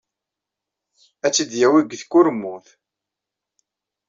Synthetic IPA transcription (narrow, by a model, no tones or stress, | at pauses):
æt͡sːid̪jæwiɡθkːʊɾmːʊθ